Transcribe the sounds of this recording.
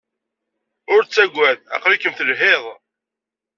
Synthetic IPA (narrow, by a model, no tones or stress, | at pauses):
ʊɾt͡sːæɡʷːæðæ̰qɾikːəmθəlɦeðˤ